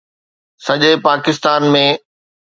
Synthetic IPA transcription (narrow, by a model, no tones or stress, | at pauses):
sɐʄepaːkɪst̪aːnmẽ